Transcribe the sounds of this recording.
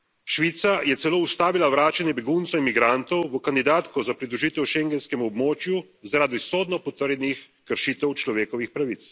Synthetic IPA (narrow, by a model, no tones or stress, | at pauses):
ʃʋiːt̪sajɛt̪sɛloːust̪aːʋilaʋɾaːt͡ʃanjɛbɛɡunt̪sɔinmiɡɾant̪ɔwʋəkand̪id̪aːt̪kɔzapɾid̪ɾuʒiːt̪ɛwʃeŋɡɛnskɛmuɔbmoːt͡ʃju | zaɾaːd̪isoːd̪nɔpɔt̪əɾjɛnix | kəɾʃiːt̪ɛwt͡ʃlɔʋeːkɔʋixpɾaʋit̪s